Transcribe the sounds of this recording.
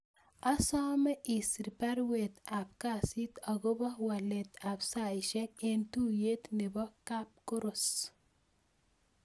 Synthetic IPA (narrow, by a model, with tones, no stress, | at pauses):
a˦sɔ˦mɛ˦ʔi˨si˨ɾpa˦ɾwe˨t̪a˨b̚ka˦si˦t̪ɔ˨ɡo˦bɔ˦wa˨le˨t̪a˨bsa˨iʃɛ˦k̚e˨ntu˦je˦t̪ne˨bɔ˦ka˦p̚ko˦ɾos